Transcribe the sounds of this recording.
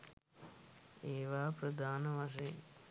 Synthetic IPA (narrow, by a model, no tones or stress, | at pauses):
eːʋaːpɾɐd̪aːnɐʋaʂeː